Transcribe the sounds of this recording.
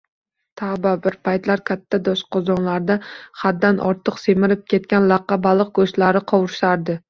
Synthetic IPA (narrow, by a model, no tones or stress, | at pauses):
t̪ʰababɪɾpʰajt̪laɾkʲʰat̪ʰːad̪ɒʃqʰɒzɒnlaɾd̪aχad̪ːanʔɒ̰ɾt̪ʰɨqsemɪɾɪp̚kʲʰe̞t̪̚kʲanlɑqːɑbalˠɨq̚ɡoʃlaɾɪqʰɒwʊɾʃaɾd̪ɪ